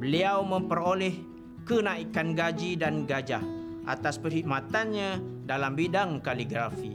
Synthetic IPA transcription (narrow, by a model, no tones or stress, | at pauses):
bəliawmə̃mpəɾolɛh | kənãikanɡad͡ʒidanɡad͡ʒahʔa̰t̪aspərhiʔ̚mat̪anɲãdalambidaŋkaliɡɾafḭ